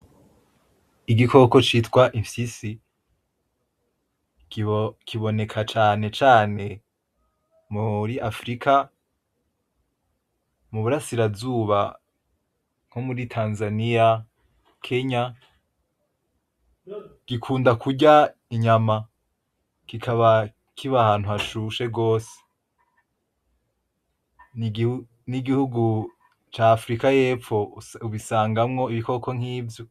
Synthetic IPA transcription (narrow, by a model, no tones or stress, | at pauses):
iɡiko̞ko̞t͡ʃiːtkwaʔiɱfisi | kʰiβo̞ne̞kʰat͡ʃaːne̞t͡ʃaːne̞ | muɾiʔafɾikʰa | muβuɾasiɾavzuːβa | ŋ̥homuɾitʰaːnzanija | kʰe̞ɲa | ɡ̥ikʰuːndakuɟaiɲama | kikʰaβa | kʰiβahaːnhuhaʃuʃe̞ɡo̞ːse̥ | ni | niɡihuɡu | t͡ʃaːfɾikaje̞ːp͡fo̞uβisaːŋɡamŋo̞iβiko̞kʰo̞ŋ̥hiːvjo